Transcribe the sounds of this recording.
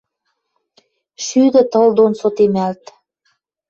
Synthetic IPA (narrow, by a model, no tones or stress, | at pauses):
ʃyd̪ə̆t̪ɤ̆ld̪onsot̪emælt̪